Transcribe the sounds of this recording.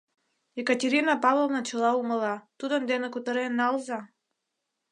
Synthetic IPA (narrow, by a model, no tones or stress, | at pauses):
ɛkat̪ʲiɾinapavɔlnat͡ʃɛlˠauməlˠat̪ud̪and̪ɛnakut̪əɾɛnalˠza